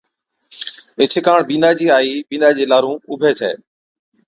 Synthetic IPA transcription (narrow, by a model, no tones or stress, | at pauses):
ɪt͡ʃʰɪkaːɳbiːnaːd͡ʑiːaːiːbiːnaːd͡ʑeːlaːɾũːʊbʱeːt͡ʃʰḛː